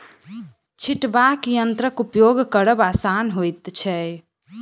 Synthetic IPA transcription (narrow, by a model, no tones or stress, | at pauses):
t͡ʃʰiʈbakjənt̪ɾəkupjoɡkəɾəbasanɦojt̪t͡ʃʰɛ